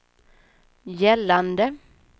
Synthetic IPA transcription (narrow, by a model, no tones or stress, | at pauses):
jɛlːand̪ə